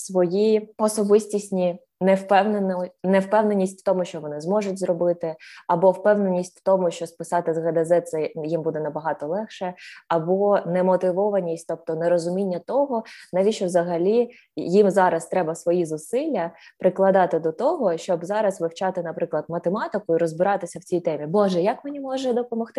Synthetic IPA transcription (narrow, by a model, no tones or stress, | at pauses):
sʋɔjiɔsɔbɪsʲtʲisʲnʲi | nɛwpɛwnennɛwpɛwnenʲːisʲtʲft̪ɔmʊʃt͡ʃɔʋɔnɪzmɔʐʊtʲzrɔbɪt̪ɪɐbɔwpɛwne̞nʲːisʲtʲʋt̪ɔmʊʃt͡ʃɔspɪsɑt̪ɪzɣɐd̪ɛzɛt̪sɛjimbud̪ɛnɐbɐɦɑt̪ɔlˠɛxʃɛɐbɔnɛmɔt̪ɪʋɔʋɐnʲisʲtʲt̪ɔp̚t̪ɔnɛɾɔzʊmʲinʲːɐt̪ɔɦɔnɐʋʲiʃʲt͡ʃɔʋzɐɦɐlʲi | jimzɑɾɐst̪ɾɛbɐsʋɔjizʊsɪlʲːɐpɾɪklˠɐd̪ɑt̪ɪd̪ɔt̪ɔɦɔʃt͡ʃɔbzɑɾɐzʋɪwt͡ʃɑt̪ɪnɐpɾɪklˠɐd̪mɐt̪emɑt̪ɪkʊiɾɔzbɪɾɑt̪ɪsʲɐwt͡sʲijt̪ɛmʲibɔʒɛjɐkmenʲimɔʒɛd̪ɔpɔmɐxt̪ɪ